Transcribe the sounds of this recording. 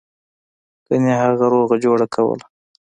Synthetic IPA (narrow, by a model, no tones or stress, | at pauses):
kəneɦaɣaɾoɣad͡ʒoɽakʰawə̰la